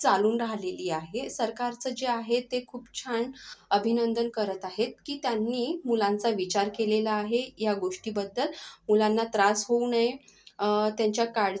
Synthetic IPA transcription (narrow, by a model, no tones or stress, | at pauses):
t͡saluːnɾaɦleliːaɦesəɾkaɾt͡səd͡ʑeaɦet̪ːekʰuːpt͡ɕʰaɳəbʱinənd̪ənkəɾət̪aɦet̪̚kiːt̪janːiːmulãnt͡saʋit͡ɕaɾkelelaːɦejaɡoʂʈiːbəd̪ːəlmulanːat̪ɾasɦounəj | t̪jaɲt͡ɕjakaɽ